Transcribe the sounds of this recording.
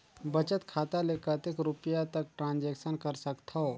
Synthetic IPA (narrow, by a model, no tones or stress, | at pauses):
bət͡ʃət̪kʰaːt̪alekət̪ekɾupjat̪ək̚ʈɾãːnd͡ʒɛːkʃənkəɾsəkt̪ʰo